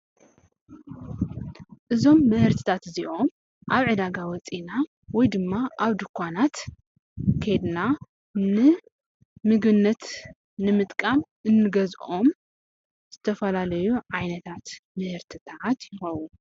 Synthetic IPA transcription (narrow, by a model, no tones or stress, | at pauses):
ʔɨzo̞mːɨhɨɾt̪ʰɨ̥t̪ʰat̪ziʔo̞m | ʔaβʕɨd̪aɡawɔt͡sʼina | wɔjd̪ɨmːaʔaβd̪ɨkʰʷːanat̪ | kʰed̪na | nɨ | mɨɡɨnːɐt̪ | nɨmɨt̪ʼkʼamʔɨnːɨɡɐzʔo̞m | z̥ɨt̪ʰɐfɐlalɐjuʕajnɐt̪ʰat̪mɨhɨɾt̪ʰɨt̪ʰat̪jɪxɐwu